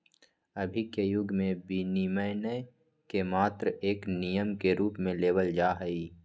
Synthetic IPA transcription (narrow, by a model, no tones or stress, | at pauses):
əbʱikejʊɡmẽbiniməɪnə | kemaːt̪ɾeːknijəmkeɾuːpmẽleːwəld͡ʒaːɦəiː